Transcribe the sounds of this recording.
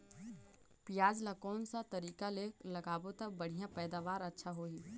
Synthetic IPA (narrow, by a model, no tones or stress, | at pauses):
pɪjaːd͡ʒlakɔːnsat̪ɐɾiːkaleːklɐɡaːbot̪ɐkbɐɽ̤ijãpɛːd̪aːʋaːɾɐtːʃʰaɦoːiː